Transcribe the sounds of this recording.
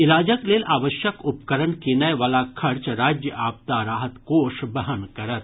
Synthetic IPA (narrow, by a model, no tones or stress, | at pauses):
ilad͡ʑəkleːlaʋəɕjəkupkəɾəɳkenajʋəlakʰəɾt͡ɕɾad͡ʑjəʔap̚t̪aɾaːɦət̪koʂbəɦənkəɾət̪